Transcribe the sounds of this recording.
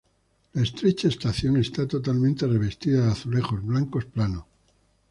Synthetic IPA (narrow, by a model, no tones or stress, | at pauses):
laest̪ɾe̞t͡ʃaest̪aθjo̞ŋe̞st̪at̪o̞t̪almẽnt̪e̞re̞β̞e̞st̪iðaaθule̞xo̞zβlaŋko̞splano